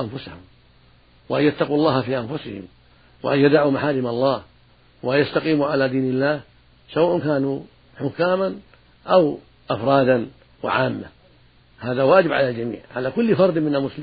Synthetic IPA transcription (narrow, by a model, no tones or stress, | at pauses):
ʔanfʊsahʊm | waʔanjat̪ːɑqulˤːɑːhafiːʔanfʊsɪhɪ̰m | wa̰ʔanjad̪ʕuːmaħaːɾɪmaɑlˤːɑːh | waanjast̪aqiːmuʕalaːd̪iːnɪlːaːh | sawaːʔʊnkaːnu | ħʊkːaːman | ʔaw | ʔafɾˤɑːd̪an | wɪ̰ʕaːmːa̰ | haːðawaːd͡ʒɪbʕa̰lald͡ʒamḭːʕʕalakʊlːfɑɾˤd̪ˤmɪnalmʊslɪ